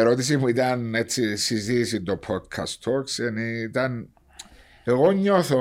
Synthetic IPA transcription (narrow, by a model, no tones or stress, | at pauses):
eɾot̪is̬imuid̪anet͡sːisizisid̪opʰɔd̪kʰa̰st̪ʰokseniid̪an | eɣoɲːɔθo